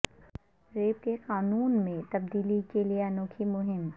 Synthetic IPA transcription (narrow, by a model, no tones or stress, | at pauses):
ɾeːp̚keqaːnuːnmẽt̪ɐb̚d̪iːlikelieɐnoːkʰimʊɦɪm